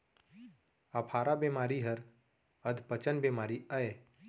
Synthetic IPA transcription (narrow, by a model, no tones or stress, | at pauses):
apʰaːɾabeːmaːɾiɦəɾ | əd̪ʱpət͡ʃənbeːmaːɾiəe